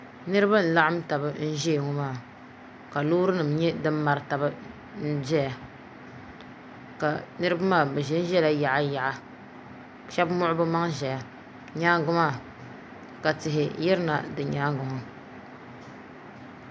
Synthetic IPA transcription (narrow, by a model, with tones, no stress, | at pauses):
nɨ˦ɾɨ˦ba˦n̩˨la˦ʔa˦m̩˦ta˨bɨ˨n̩˦ʒe˦˨ŋɔ˦maː˦˨ | ka˨luː˦ɾɨ˦nɨ˨mɲɛ˦dɨ˦m˦ma˨ɾɨ˨ta˨bɨ˦ | n̩˦d͡ʒɛ˦ja˨ | ka˨nɨ˦ɾɨ˦ba˦maː˦˨bɛ˨ʒɛ˦n˦ʒɛ˦la˦ja˨ʔa˦ja˨ʔa˨ | ʃɛ˦bmʊ˦ʔʊ˦bɨ˦ma˦ŋʒɛ˨ja˨ | ɲaː˦ŋ˦ɡʊ˦maː˦˨ | ka˨tɪ˨ɦɪ˨jɛ˦ɾɨ˦na˨dɨ˨ɲaː˦ŋɡʊ˨hʊ˨